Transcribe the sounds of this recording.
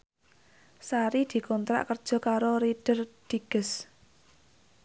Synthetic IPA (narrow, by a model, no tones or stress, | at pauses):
saɾid̪̥i̤kɔnt̪ɾa̰ʔkərd̥ʒ̥ɔ̤kaɾoɾiɖ̥ərd̪̥i̤ɡ̥əs